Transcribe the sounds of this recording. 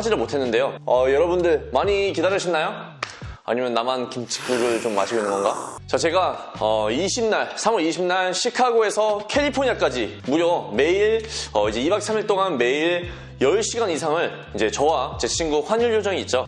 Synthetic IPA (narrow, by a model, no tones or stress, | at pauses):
ad͡ʑiɾɯɭmotʰe̞nːɯnde̞joʌjʌɾʌbundɯɭmaɲikidaɾjʌɕʰinːajo | a̰ɲimjʌnːamankimt͡ɕʰi̥k̚k͈uɡɯɭt͡ɕomːa̰ɕʰiɡoinːɯnŋɡʌnɡat͡ɕat͡ɕe̞ɡaʌiɕʰimnaɭsʰamwʌɾiɕʰimnaɭɕʰikʰaɡoe̞sʰʌkʰe̞ʎːipʰoɲak͈ad͡ʑimuɾjʌme̞iɭʌid͡ʑe̞ibak̚s͈ʰamiɭt͈oɡanme̞iɭ | jʌɭɕ͈ʰiɡanisʰaŋɯɭ | id͡ʑe̞t͡ɕʌwat͡ɕet͡ɕʰinɡuɸwaɲuɭjod͡ʑʌŋiːt̚t͡ɕ͈o